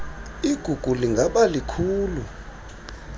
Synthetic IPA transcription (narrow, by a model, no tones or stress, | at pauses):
iɡ̥ʱuɡ̥ʱuliŋɡʱaɓalikʰuːlu